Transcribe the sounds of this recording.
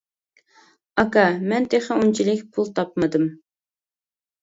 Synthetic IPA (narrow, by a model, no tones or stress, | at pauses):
ɑkɑmɛnt̪ʰeχɪunt͡ʃʰilɪkʲpʰulˠt̪ʰɑp̚mɨd̪ɨm